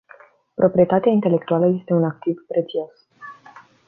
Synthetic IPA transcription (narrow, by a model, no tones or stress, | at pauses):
pɾʔo̞pɾie̞t̪at̪eaint̪e̞le̞k̚t̪ualəje̞st̪e̞unak̚t̪ivpɾe̞t̪sio̞s